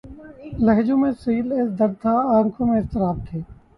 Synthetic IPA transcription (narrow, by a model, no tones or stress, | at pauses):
ləɦd͡ʒõːmẽsiːlesd̪ɐɾt̪ʰaaːŋkʰõmẽɪst̪əɾaːb̚t̪ʰeː